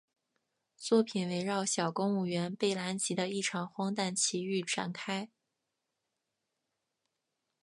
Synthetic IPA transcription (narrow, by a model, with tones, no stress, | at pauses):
t͡swɔ˥˩pʰi˨˩nwe˧˥ɪɻɑ˥˩ʊɕjɑ˨˩ʊkʊ˥ŋu˥˩ɥɛ˧˥npe˥˩ɪla˧˥nt͡ɕʰi˧˥d̪ə˧i˥˩ʈ͡ʂʰɑ˨˩ŋxwɑ˥ŋt̪a˥˩nt͡ɕʰi˧˥y˥˩ʈ͡ʂa̰˨˩nkʰa˥ɪ